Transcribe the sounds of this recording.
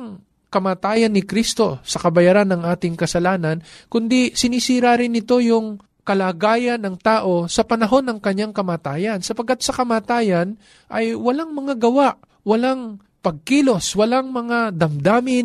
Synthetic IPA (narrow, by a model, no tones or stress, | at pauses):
ŋ | kɐmaːt̪aːjɐnːɪkɾist̪o̞sɐkɐbɐjaːɾanːɐŋʔaːt̪ɪŋkɐsɐlaːnɐnkʊnd̪isɪnisiːɾaɾɪnːɪt̪o̞jʊŋ | kɐlaːɡaːjɐnːɐŋt̪aːʔo̞sɐpɐnɐɦo̞nːɐŋkɐɲːaŋkɐmaːt̪aːjɐnsɐpɐɡ̚kat̪̚sɐkɐmaːt̪aːjɐn | ʔɐjwɐlaŋmɐŋaɡɐwaʔ | wɐlaŋ | pɐɡ̚kiːlo̞swɐlaŋmɐŋad̪ɐmd̪aːmɪn